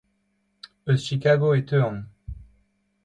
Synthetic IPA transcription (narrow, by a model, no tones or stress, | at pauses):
øʃikaɡoet̪øɑ̃ŋ